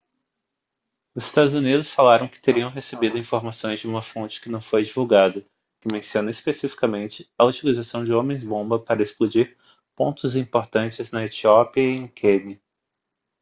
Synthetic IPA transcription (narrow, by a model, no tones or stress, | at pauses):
ʊzɪst̪ad̪ʊzunid̪ʊsfalaɾɐ̃w̃kɪ̥t̪eɾiɐ̃w̃ɦesebid̪ʊĩfoɾmasõj̃zd͡ʒɪũmɐfõnt͡ʃɪ̥kɪnɐ̃w̃fojd͡ʒivuwɡad̪ɐ | kɪmẽsiõnɐispesifi̥kɐmẽnt͡ʃɪɐut͡ʃilizasɐ̃w̃d͡ʒɪõmẽj̃zbõbɐpaɾɐesplud͡ʒiɾ | põnt̪ʊzĩpoɾt̪ɐ̃nt͡ʃɪznɐet͡ʃiɔpiɐẽj̃kʰenɐ